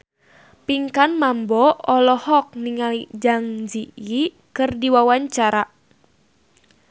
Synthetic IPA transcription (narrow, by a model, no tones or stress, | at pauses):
piŋkanmambɔɔlɔhɔk̚niŋalid͡ʒaŋd͡ʒii | kɨrdiwawaɲt͡ʃaɾaʔ